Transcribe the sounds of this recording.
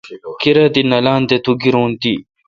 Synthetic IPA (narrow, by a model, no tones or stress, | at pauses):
kiɾɐd̪inɐlaːnd̪et̪uɡiɾõːnt̪i